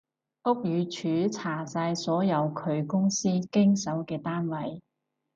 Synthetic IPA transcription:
ʔʊ˥k̚jyː˨˧t͡ʃʰyː˨˥t͡sʰaː˨˩saː˧jsɔː˨˥jɐ˨˧wkʰɵ˨˧ɥkʊ˥ŋsiː˥kɪ˥ŋsɐ˨˥wkɛː˧t̪aː˥nwɐ˨˩j

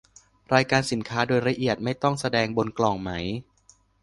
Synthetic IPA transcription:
ɾaː˧jkaː˧nsi˩˦nkʰaː˦˥doː˧jɾa˧ʔi˨˩ət̪̚ma˥˩jt̪ɔ˥˩ŋsa˧dɛː˧ŋbo˧nklɔː˨˩ŋma˦˥j

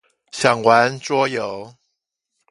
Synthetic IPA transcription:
ɕjɑ˨˩ŋwa˨˦nʈ͡ʂwɔ˥˦jo˨˦ʊ

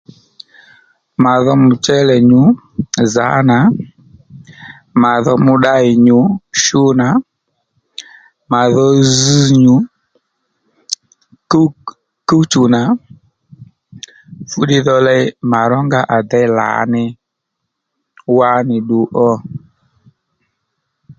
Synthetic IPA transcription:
ma˨ðɔ˦mʊ˨t͡ʃɛ˦lɛ˨ɲʊ˨˦ | za̰˨˦na˨˦ | ma˨ðɔ˧mʊ˦ɗa˦ɪ˨ɲʊ˨˦ʃu˦na˨˦ | ma˨ðɔ˧zi˦ɲu˨˦ | k | ku˦t͡ʃu˨na˨ | fu˦ɗɪ˦ðɔ˧lɛ˧˦ma˨ɾɔ˦ŋɡa˦ʔa˨dɛ˦la̰˨˦nɪ˦ | wa˦nɪ˨ɗu˨ʔɔ˦

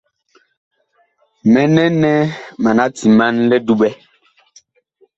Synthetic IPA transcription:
mɛ˨nɛ˦nɛ˦ma˨na˦ti˨ma˦nlɛ˦du˦ɓɛ˦

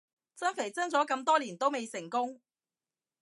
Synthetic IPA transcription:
t͡sɐ˥nfe˨˩jt͡sɐ˥nt͡sɔː˨˥kɐ˧mt̪ɔː˥liː˨˩nt̪o˥wme˨˧jsɪ˨˩ŋkʊ˥ŋ

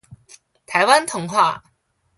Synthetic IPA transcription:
t̪ʰa˨˧˥jwa˥nt̪ʰʊ˨˩˦ŋxwaː˥˧

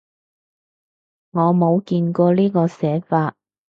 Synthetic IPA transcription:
ŋɔː˨˧mo˨˧wkiː˧nkɔː˧liː˥kɔː˧sɛː˨˥faː˧t̚

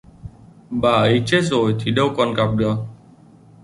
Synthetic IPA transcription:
ɓaː˨˩ʔə˨˦jt͡ɕe˦˥t̚zo˨˩jt̪ʰi˨˩ɗə˧wkɔ˨˩nka˨˩p̚ɗɨ˨˩ək̚

